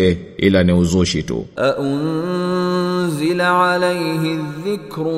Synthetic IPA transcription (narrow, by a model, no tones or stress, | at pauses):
ɛ | ḭlaniuzuʃitṵʔaʔʊn | zɪlaʕalajɦɪðːɪkɾ